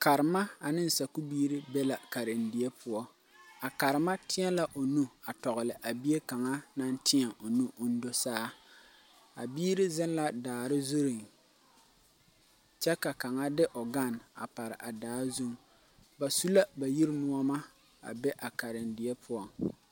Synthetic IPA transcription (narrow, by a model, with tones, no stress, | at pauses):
ka˨ɾɪ˨ma˦a˨nɪ˦n̩˨sa˨ku˦biː˦ɾɪ˦bɛ˦la˨ka˨ɾɪ˨ndɪ˨ɛ˦pʰʊ˦ɔ˦ | a˨ka˨ɾɪ˨ma˦tɪ˦ɛ˦la˦ʔo˨nu˦a˨tɔ˨ɣʊ˨lɪ˨ʔa˨bi˦e˦ka˨ŋa˦na˦n˦tɪ˦a˨ʔo˨nu˦ʔʊ˦n̩˦do˦saː˦ | a̰˨biː˦ɾɪ˦zɪ˦n˦la˦daː˨ɾɪ˦zu˦ɾɪ˨ŋ | t͡ʃɛ˦ka˨ka˨ŋa˦dɪ˦ʔɔ˨ɡa˦˨na̰˨pa˨ɾɪ̰˨ʔa˨daː˨˦zu˦ŋ | ba˨su˦la˦ba˨ji˦ɾmu˦ɔ˦ma˦ | a̰˨bɛ˦ʔa˨ka˨ɾɪ˨ndɪ˨ɛ˦pʰʊ˦ɔ˦